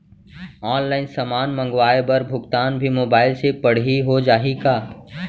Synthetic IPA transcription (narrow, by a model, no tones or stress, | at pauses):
ɔːnlaːɪnsɐmaːnmə̃ŋɡʋaːebɐɾbʱʊɡt̪aːnbʱimoːbaːɪlsepɐɽ̤iɦod͡ʒaːɦiɡaː